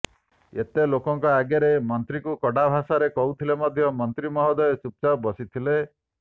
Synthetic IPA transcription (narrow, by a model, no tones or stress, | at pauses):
et̪elokɔŋkɔaɡjaɾemɔnt̪ɾikukɔɽabʱasaɾekɔut̪ʰilemɔd̪ʱjɔmɔnt̪ɾimɔɦɔd̪ɔet͡ʃup̚t͡ʃabɔsit̪ʰile